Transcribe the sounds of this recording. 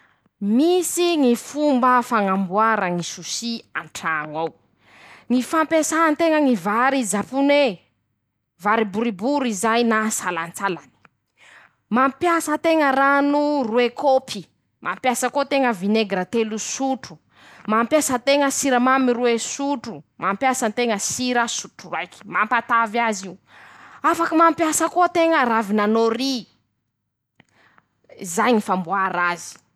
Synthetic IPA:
misiŋifumbəfaŋambuaɾaŋisusiaɳʈ͡ʂaŋaw | ŋifampesaant̪eŋəŋivaɾizapune | vaɾibuɾibuɾizajnasalant͡salani̥ | mampjasət̪eŋəɾanuruekʰopʰi | mʔampjasəkot̪eŋəvineɡɾat̪elusuʈ͡ʂu̥ | mampjasət̪eŋəsiɾəmamiruesuʈ͡ʂumampjasənt̪eŋəsiɾəsuʈ͡ʂurajki̥mampat̪avaziu | afakəmampjasəkot̪eŋəravinanoɾi | zajŋifambuaɾazi̥

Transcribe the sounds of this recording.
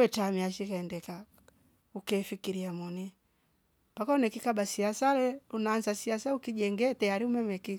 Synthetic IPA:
ɛt͡ʃamiaʃikaɛndɛka | ukɛfikiɾiamɔni | pakaɔnɛkikabasiasalɛunaːnzasiasaukiʄɛŋɡɛtɛaɾiumɛmɛki

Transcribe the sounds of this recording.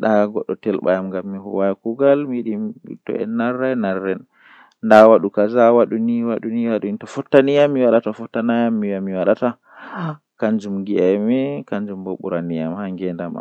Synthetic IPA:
ɗaɡɔɗːɔtɛlɓa̰jamŋɡamːihuwajkuɡalmiɗiḭtɔ̰ɛ̰naɾːajnaɾːɛn | ndawaɗukazawaɗuniwaɗuniwaɗuintɔfɔtːanijamːiwaɗatafɔtːanajamːiwamːiwaɗata | kaɲd͡ʒumɡiajmɛkaɲd͡ʒumboɓuɾanija̰mhaŋɡɛndama̰

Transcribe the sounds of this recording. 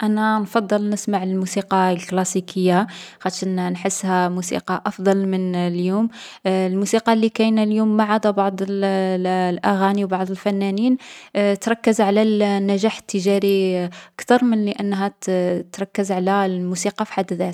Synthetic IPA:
ʔænænfɑd̪ˤːəlnəsmaʕləlmusiqɑlklɑsikʰəjːaɣæʃænnħəsːhæmusḭqɑʔɑfd̪ˤɑlmənljumlmusiqɑlːikæjnæljumːaʕad̪æbɑʕd̪ˤəl | lʔæɣæniwbɑʕd̪ˤəlfænːæniːnt̪ɾˤɑkːəzʕalænːæʒaħə̥t̪ːəʒɑɾiʔəkt̪ɑɾˤmənləʔənːɦæt̪ɾˤɑkːəzʕalælmusiqɑfi̥ħad̪ːðæt̪

